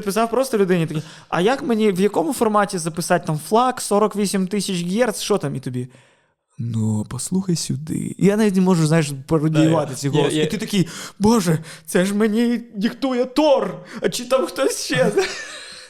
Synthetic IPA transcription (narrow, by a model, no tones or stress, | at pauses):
əpʲɪs̬afpɾost̪əlʲʊd̪ɨnʲɪt̪ɐkʲij | ɐ̰jakmɨnʲevjɐko̞mfɐrmatʲɪzəpʲɪsat̚ʲt̪amflˠaksoɾəkvʲesʲɪmʲt̪isʲɪt͡ɕɡʲert̪sʂot̪amit̪ʊbʲi | nupɐslˠuxəjsʲʊd̪ɨ̰ḭɐnavʲit̪nʲɪmo̞ʐɨt̪znaɪʂpɐɾʊd̪ʲɪɪvat̪ɛtʲɪɣolˠəsit̪ɨt̪ɐkʲijəbo̞ʐɨt͡s̪ɛʂ̬mɨnʲedʲɪkt̪ujət̪orɐt͡ɕːit̪ːamxt̪osʲɕez